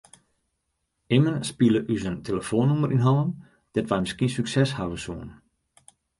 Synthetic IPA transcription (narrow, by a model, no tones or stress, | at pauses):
ɪmənspiləʔyzəntʰeləfoːnːuməɾʔinɦɔləm | d̥ɛtʋɛjmɪskiəsyksɛshavəsuən